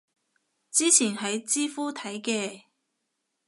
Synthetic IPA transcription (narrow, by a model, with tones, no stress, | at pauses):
t͡siː˥t͡sʰiː˨˩nhɐ˨jt͡siː˥fuː˥t̪ʰɐ˨˥jkɛː˧